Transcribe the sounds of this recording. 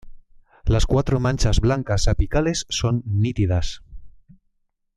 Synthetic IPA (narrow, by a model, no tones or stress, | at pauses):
laskwat̪ɾomãnʲt͡ʃazβlaŋkasapikalesːonːit̪iðas